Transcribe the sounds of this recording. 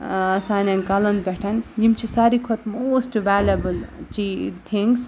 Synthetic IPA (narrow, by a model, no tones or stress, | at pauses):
sanankɐlɐnd̪beʈʰɐnjimt͡ʃʰisaɾikʰot̪moːsʈʋalɐbɨlt͡ʃit̪ʰiŋɡs